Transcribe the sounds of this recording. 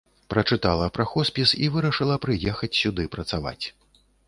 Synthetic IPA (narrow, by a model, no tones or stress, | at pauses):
pɾɐt͡ʂɨt̪alˠɐpɾaxɔspʲisivɨɾɐʂɨlˠɐpɾɨjɛxɐt͡sʲsʲud̪ɨpɾɐt̪sava̰t͡sʲ